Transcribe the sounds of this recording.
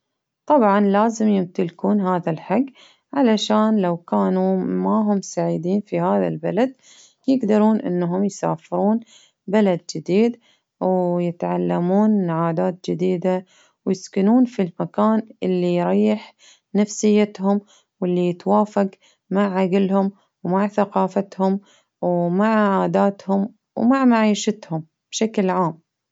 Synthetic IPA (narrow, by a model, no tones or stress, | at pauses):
t̪ˤɑbʕɑnlaːzɪmjɪmt̪ɪlkuːnɦaːðalħaɡː | ʕalaʃaːnlawkaːnumaɦʊmsaʕid̪iːnfihaːða̰lbalad̪̚ | jɪɡd̪ɑɾˤuːnʔɪ̰nːɦʊmjsa̰ːfɪɾuːn | balad̪̚d͡ʒɪd̪iːd̪ | wjɪt̪ʕalːamuːnːʕaːd̪aːt̪̚d͡ʒɪd̪iːd̪a | wjɪskɪnuːnfilmakaːnʔɪlːijɾˤɑjːɪħ | nafsɪjːat̪hʊm | wɪlːijɪt̪waːfaq | maʕʕaɡlhʊm | wmaʕθaqɑːfat̪hʊm | wmaʕʕaːd̪aːt̪hʊm | wmaʕmaʕiːʃat̪hʊm | b̥ʃaklʕaːm